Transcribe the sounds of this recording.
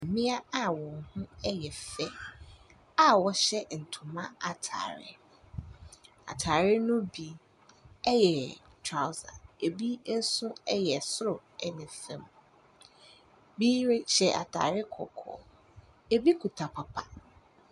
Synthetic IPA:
mɪ̃˦a˦a˦wɔ̃˨ŋhʊ̃˦ɛ˦jɛ˨fɛ˦ | a˦wɔ˦ɕɛ˦n̩˨tʰʊ̃˨mã˦a˨tʰa̰ː˨ɾɪ̰˦ | a̰˨tʰaː˨ɾɪ˦nʊ̃˦bi˨ | ɛ˦jɛ˨ | tʰɾa˨wsa̰˨e˨bi˦n̩˦sʊ̃˦ɛ˦jɛ˨sɾʊ˨ɛ˨nɪ̃˨fɛ̃˨m | biː˦ɾɪ˦ɕɛ˨ʔa̰˨tʰa̰ː˨ɾɪ˦kʰɔ̰˨kʰɔ̰˨ | e˨bi˦kʰu˨tʰa˨pʰa˨pʰa˨

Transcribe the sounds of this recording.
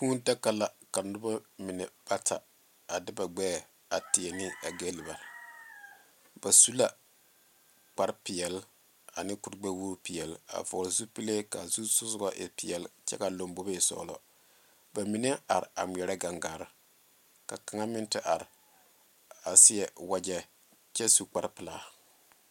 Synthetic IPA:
tuː˦n˦da˦kːa˨la˨ka˨nʊ˦ba˦mɪ˨nɛ˨b̥a˦tʰa̰˨ | a˨dɪ˦ba˨ɡ͡bɛː˦˨ | a˨tɪ˨ɛ˨nɪ˦a˨ɡe˦lɪ˨ba˨ɾ | b̥a˨su˦la˨ | k͡pa˨ɾpɪ˨ɛ˨l | a̰˨nɪ˦kʊ˨ɾɡ͡bɛ˦woː˦pɪ˨jɛ˨la̰˨vʊ˨zu˦pi˦le˦ka̰˨zu˦sʊ˦sʊ˦ɡa˦ʔɪ˨pɪ˨jɛ˨lt͡ʃɛ̰˦ka˨lo˨mbo˦be˦˨sɔ̰ː˨lɔ̰˦ | ba˨mi˨nɛ˦a˨ɾɪ˨a˨mʷ˨ɛ˨ɾɛ˦ɡa˨ŋɡaː˨ɾɪ˦ | ka˨ka˨ŋa˦mɪ˦ntɪ˦ʔa˨ɾɪ˨ | a˨sɪ˦jɛ˨wa˦d͡ʒɛ˨ | t͡ʃɛ˦su˦k͡pa˦ɾpɨ˨laː˦˨

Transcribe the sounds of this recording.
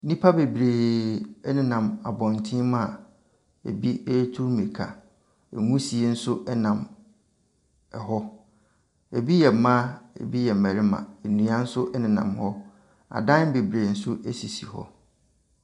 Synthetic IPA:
nĩ˦pʰa˦be˨bɾeː˨ɛ˦nɪ̃˨nã˨ma˨bɔ̃˨n˨tʰɪ̃˦mã˨ | ḛ˨bi˦e˦tʰu˦ɾmẽ˨kʰa̰˨ | e˨ŋũ˦si˨e˨˦n̩˦sʊ˦ʔɛ˦nã˨m | ɛ˨ɦɔ˦ | e˨bi˦jɛ˨mã˦ḛ˨bi˦jɛ˨m̩˨mæ˨ɾɪ˦mã̰˨e˨nũ˨ã˦n̩˦sʊ˦ʔɛ˦nɪ̃˨nã̰˨mhɔ˦ | a̰˨dã˦n˦be˨bɾeː˨n̩˦sʊ˦ʔe˦si˨si˨hɔ̰˦

